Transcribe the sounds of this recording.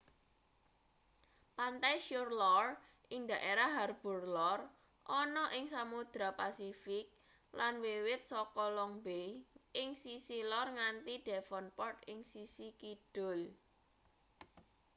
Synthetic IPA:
pant̪ajʃurlɔr | ʔɪŋd̪a̤ʔeɾaɦarb̥ṳrlɔr | ʔɔnɔʔɪŋsamud̪̥ɾapasifɪk̚ | lanwewɪt̪̚sɔkɔlɔŋbejʔɪŋsisilɔrŋant̪iɖ̥ɛ̤fɔnpɔrt̪ɪŋsisikid̥ʊ̤l

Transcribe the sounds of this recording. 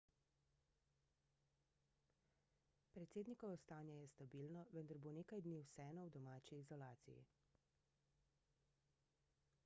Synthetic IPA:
pɾɛt̪seːd̪nikɔʋɔst̪aːnjɛjɛst̪abiːlnɔʋənd̪aɾboːneːkajd̪niːwsɛːnɔwd̪ɔmaːt͡ʃiːzɔlaːt̪sḭjḭ

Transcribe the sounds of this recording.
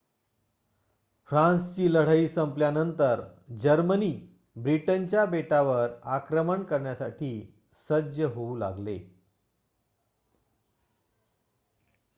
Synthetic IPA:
fɾãnst͡ɕiːləɽ̤əiːsəmpljanənt̪əɾd͡ʑəɾməniː | bɾiʈənt͡ɕjabeʈaʋəɾakɾəməɳkəɾɳjasaʈʰiː | səd͡ʑjəɦoula̰ɡlḛ

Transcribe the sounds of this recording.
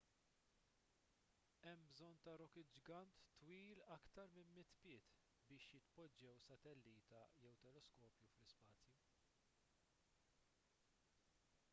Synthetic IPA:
ɛmbzɔnt̪ɐɾɔkɪd͡ʒɡɐnt̪ːwiːlɐkt̪ɐɾmɪmːɪt̪pɪːt̪ | bɪːʃjɪt̪pɔd͡ʒːɛwsɐt̪ɛlːiːt̪ɐjɛwt̪ɛlɛskɔːpjuflɪspɐːt͡sju

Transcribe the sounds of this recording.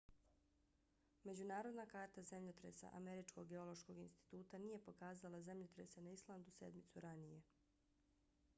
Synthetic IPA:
me̞d͡ʑunaːɾo̞d̪nakaːɾt̪aze̞mʎot̪ɾesa̰ʔame̞ɾit͡ʃko̞ɡːe̞o̞lˠo̞ʃko̞ɡinst̪i̥t̪uːt̪anije̞po̞kaːzalˠaze̞mʎot̪ɾḛsenaislˠand̪use̞̰d̪mit̪suɾanije̞

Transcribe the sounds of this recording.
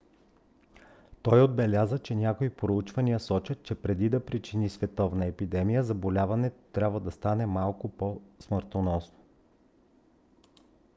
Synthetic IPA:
t̪ɔjod̪̚bɛlʲazət͡ʃɛnʲakoipɾout͡ʃvɐniəsɔt͡ʃət̪̚t͡ʃɛpɾɛd̪id̪ɐpɾit͡ʃinisvɛt̪ɔvnɐɛpid̪ɛmijəzɐbolʲavɐnɛt̪ɾʲabvəd̪ɐst̪anɛmalˠkʊposməɾt̪onɔsno̥

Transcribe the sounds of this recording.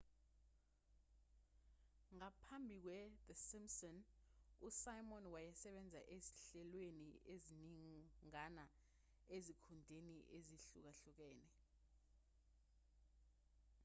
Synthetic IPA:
ŋapʰambʱik̬wɛðəsimsɔnusajmɔnwajɛsɛɓɛnd͡zʱa̰ʔezi̥ɬɛlwenieziniŋana | ezikʰundʱeniʔeziɬuk̬aɬuk̬ɛːnɛ

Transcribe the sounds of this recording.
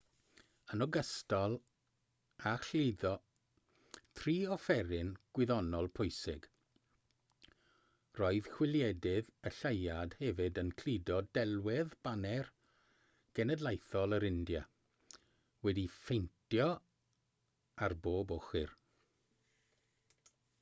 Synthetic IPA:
ənɔɡəstɔlˠ | aɬlɪdɔ | tʰriːɔfɛɾɪnɡ̥wɪðɔnɔlˠpʰʊjsɪɡ̥ | roɨð̥kwɪlˠjɛdɪðəɬajad̥hɛvɪdənkʰl̥idɔdɛlˠwɪðb̥anɛr | ɡ̥ɛnɛdlˠajθɔlˠəɾɪndja | wɛdifejntʰjɔ | arboːbɔχɪ̰r

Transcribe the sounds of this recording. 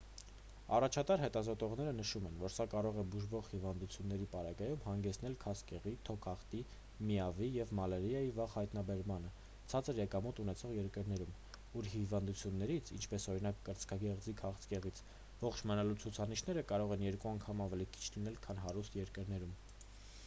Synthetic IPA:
ɑrɑt͡ʃʰɑt̪ɑɾɦɛt̪ɑzɔt̪ɔʁnɛɾənəʃumɛnvɔɾsɑkɑɾɔʁɛbuʒvɔʁhivɑnd̪ut͡sʰjunːɛɾipɑɾɑɡɑjumhɑŋɡɛt͡sʰn̪ɛlkʰɑskɛʁit̪ʰɔkʰɑχt̪i | miɑvijɛvmɑlɛɾijɑjivɑʁhɑjt̪nɑbɛɾmɑnə | t͡sʰɑt͡səɾjɛkɑmut̪unɛt͡sʰɔʁjɛɾkəɾnɛɾum | uɾhivɑnd̪ut͡sʰjunːɛɾit͡sʰḭnt͡ʃʰpɛsɔɾinɑkːəɾt͡skʰɑɡɛʁd͡zikʰɑχt͡skɛʁit͡sʰ | vɔχt͡ʃʰmənɑlut͡sʰut͡sʰɑniʃnɛɾəkɑɾɔʁɛnjɛɾkuɑŋkʰɑmɑvɛlikʰi̥t͡ʃʰlinɛlkʰɑnɦɑɾust̪jɛɾkəɾnɛɾum

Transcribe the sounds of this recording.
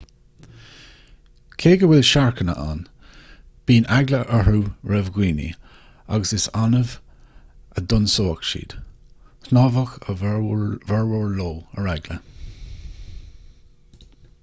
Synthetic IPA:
kʰeːɡəwɪlʃaɹkʰənə̰ʔa̰n | b̥iːnaɡləʔəɹuːɹɛvɡwiːnḭ | a̰ɡəsɪsanəv | əd̪ʊnsoːkʃḭːd̪̥ | hnɑːvəxə | vɛɹwɔɹloːəɹaɡlə

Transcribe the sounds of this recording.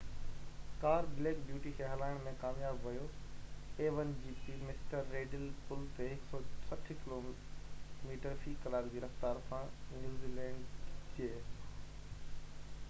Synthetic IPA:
kaːɾbleːkbjuːʈikʰeɦɐlaːɪɽ̃mẽkaːmjaːbʋɐjo | eːʋən̆d͡ʑiːpimɪsʈəɾːeːɖɪlpʊlt̪eɦɪksɔːt͡ɕʰɐʈʰkɪloː | miːʈəɾfiːkɐlaːɾd͡ʑiːɾɐft̪aːɾsãnjuːziːlɛ̃ːɳɖt͡ɕieː

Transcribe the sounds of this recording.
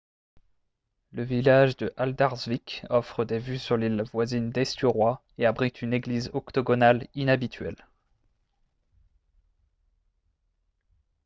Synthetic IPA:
ləvilaʒd̪əʔald̪aʁzvikɔfχəd̪evysyʁlilvwazind̪ɛst̪yʁwa | eabʁit̪ʰyneɡlizɔkt̪ɔɡɔnalinabit̪ʰɥɛ̰l

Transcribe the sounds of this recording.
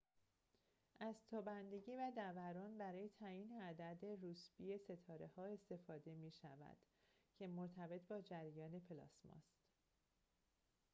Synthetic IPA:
ʔæzt̪ʰɒːbænd̪e̞ɟiːvæd̪ævæɾɒːnbæɾɒːje̞t̪ʰæjiːneæd̪æd̪e̞ɾusbiːje̞se̞t̪ʰɒːɾe̞hɒːe̞st̪e̞fɒːd̪e̞miːʃæ̰væ̰d̪̥cʰe̞moɾt̪ʰæbe̞t̪ʰbɒːd͡ʒæɾjɒːne̞pʰelɒ̰ːsmɒ̰st̪

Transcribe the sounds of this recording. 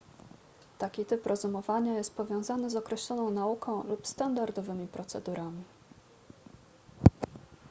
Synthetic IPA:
t̪akʲit̪ɘpɾʔɛzumɔvaɲajɛst̪̚pɔvʲjɔ̃w̃zanɘzɔkɾɛɕlɔnɔ̃w̃naukʰɔ̃w̃lupst̪and̪aɾd̪ɔvɘmʲipɾɔt̪sɛ̰d̪uɾʔamʲi

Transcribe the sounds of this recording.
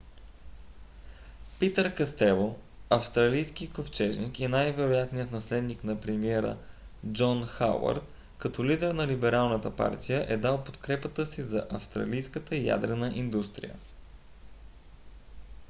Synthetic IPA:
pit̪əɾkɐst̪ɛlˠo | ɐfst̪ɾɐlijsk̟ikoft͡ʃɛʒnikinajvɛɾojat̪nijət̪nɐslɛd̪niknɐpɾɛmiɛɾə̰ | d͡ʒɔnxa̰wɐ̰ɾt̪ | kɐt̪ɔlid̪ɛɾnɐlibɛɾalˠnət̪əpa̰ɾt̪ijəʔɛd̪alˠpot̪kɾɛpət̪əsizɐʔɐfst̪ɾɐ̰lijskət̪əja̰d̪ɾɛnəʔind̪ust̪ɾḭjə̰

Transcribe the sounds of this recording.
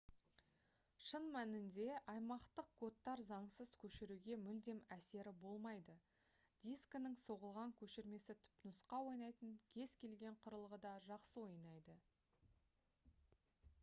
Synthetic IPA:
ʃənmænɪnd̪e̞ʔɑjmɑqt̪əq̚kʰo̞t̪ːɑɾzɑɴsəzkʲʰɵʃɪɾuɡʲe̞mʏld̪e̞mæse̞ɾɪbo̞lˠmɑjd̪ə | d̪̥isknɪŋso̞ʁəlˠʁɑŋkʲʰɵʃɪɾme̞sɪt̪ʰʏ̥pnəsqɑwo̞jnɑjt̪əŋkʲʰe̞zkʲʰe̞lɡʲe̞ɴqʰʊɾəlˠəʁəd̪ɑʒɑqsəwo̞jnɑjd̪ə

